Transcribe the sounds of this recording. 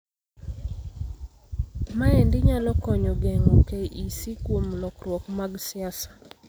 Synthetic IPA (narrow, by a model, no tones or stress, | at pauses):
maɛndɪɲalɔkɔɲɔɡeŋokeʔisikwomlɔkɾwɔkmaɡsɪasḁ